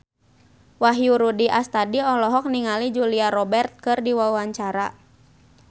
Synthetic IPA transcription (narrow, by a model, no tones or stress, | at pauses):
waɦjuɾudiʔast̪adiɔlɔɦɔk̚niŋalid͡ʒuliaɾɔbɛrt̪̚kɨrdiwawaɲt͡ʃaɾa